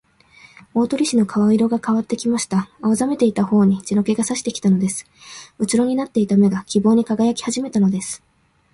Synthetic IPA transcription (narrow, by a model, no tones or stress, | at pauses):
o̞ːt̪o̞ɾʲiɕino̞kaβaiɾo̞ɡakaβat̪ːe̞kʲimaɕi̥t̪aaβazame̞t̪e̞it̪aho̞ːɲ̟id͡ʑino̞ke̞ɡasaɕi̥t̪e̞kʲi̥t̪ano̞d̪e̞sɨ̥ɯt͡ɕiɾo̞ɲ̟inat̪ːe̞it̪ame̞ɡakʲibo̞ːɲ̟ikaɡajakʲi̥haʑime̞t̪ano̞d̪e̞sɨ̥